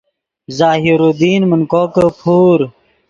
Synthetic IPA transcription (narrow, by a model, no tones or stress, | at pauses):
zaːɦiɾod̪iːnmənkoːkəpʰuːɾ